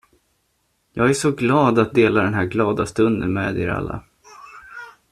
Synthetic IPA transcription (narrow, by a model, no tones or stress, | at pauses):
jɑːɡæʂɔɡlɑːd̪at̪̚d̪eːlaɖ̪ɛnɦæːɾɡlɑːd̪ast̪ɵnd̪ə̰nmḛːd̪ɪ̰ɾa̰lːa̰